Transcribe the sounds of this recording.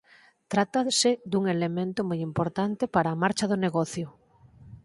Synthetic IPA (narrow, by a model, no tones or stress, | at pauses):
t̪ɾat̪ased̪uŋelemẽnt̪ʊmojimpoɾt̪ant̪epaɾaːmaɾt͡ʃɐðoneɣɔθjʊ